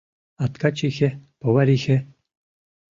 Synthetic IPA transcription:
at̪kat͡ʃʰʼixɛpɔwaɾixɛ

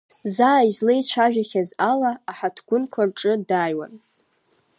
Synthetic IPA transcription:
zaːizlejt͡ɕʷʰaʒᶣaχʲazalaːħatʰɡ̥ʷʊnkʷʰarʈ͡ʂʼɨdajwa̰n

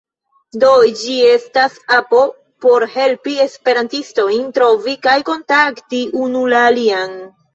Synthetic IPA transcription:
do̞d͡ʒie̞stasapo̞ | po̞ɾhe̞lpie̞spe̞ɾantisto̞jntɾo̞vikajko̞ntaktiʔunulaːlian

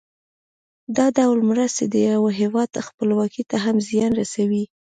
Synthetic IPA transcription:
d̪ɑd̪awlmɾast̪ed̪əjawəɦewɑd̪xpəlwɑkit̪aɦamzjɑnɾasawi

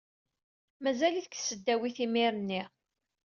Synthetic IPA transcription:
mæzæliθə̥ksəd̪ːæwiθimiɾənːi

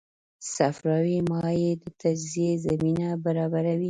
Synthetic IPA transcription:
safɾɑwimɑjed̪ət̪ad͡ʒziezaminabaɾɑbaɾawi

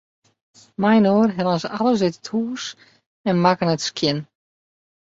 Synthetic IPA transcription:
majnoːrɦɛlɔnsaləs̬ɪtə̥thuːs | ɛnmakənətskjɪn

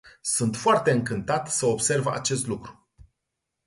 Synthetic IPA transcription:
sunt̪foart̪e̞ɨŋkɨnt̪at̪səobse̞rva̰t͡ʃe̞st̪lukɾu̥

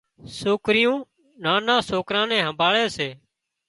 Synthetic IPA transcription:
soːkɾɪjũː | nãːnãːsoːkɾãːnɛ̃ːɦəmbʱaːɭeːseː

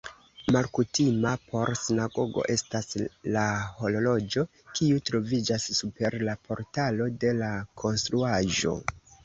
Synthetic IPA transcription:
malkutimapʰo̞ɾsinaɡo̞ɡo̞̰ʔe̞staslaho̞lo̞lo̞d͡ʒo̞ | kiutɾo̞vid͡ʒassupe̞ɾlapʰo̞ɾtalo̞de̞lakʰo̞nstɾuaʒo̞̰

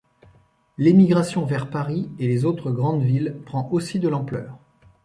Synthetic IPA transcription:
lemiɡʁasjɔ̃vɛʁpaʁielezot̪χəɡʁɑ̃d̪vilpχɑ̃ʔosid̪əlɑ̃plœ̰ːʁ

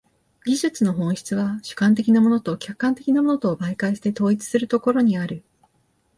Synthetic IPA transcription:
ɡʲiʑɨt͡sɨno̞ɦõ̞ɰ̃ɕçi̥t͡sɨβaɕɨ̥kãnt̪e̞kʲinamo̞no̞t̪o̞kʲakːãnt̪e̞kʲinamo̞no̞t̪o̞ːbaikaiɕi̥t̪e̞t̪o̞ːit͡sɨ̥sɨɾɯ̟t̪o̞ko̞ɾo̞ɲ̟iaɾɯ̟

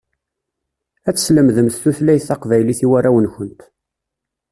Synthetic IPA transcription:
æt͡sːə̥sləmðəmθθuθlæjθːɑqvæjliθiwæɾæwənçənt̪

